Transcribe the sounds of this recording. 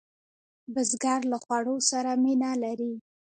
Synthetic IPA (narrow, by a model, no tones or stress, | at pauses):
bɪzɡaɾlaxwaɽosaɾaminalaɾi